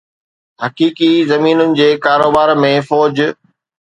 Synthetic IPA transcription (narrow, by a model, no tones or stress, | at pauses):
ɦɐkiːkizɐmiːnʊnɪ̆d͡ʑeːkaːɾoːbaːɾmẽfɔːd͡ʑ